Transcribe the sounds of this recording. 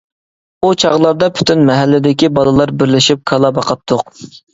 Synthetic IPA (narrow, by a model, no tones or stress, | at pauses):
ut͡ʃʰɑʁlˠɑɾd̪ɑpʰy̥t̪ʰynmɛɦælːɪd̪ɪkʲibɑlˠɨlˠɑɾbɪɾlɪʃip̚kʰɑlˠɑbɑqɑt̪ʰːʊq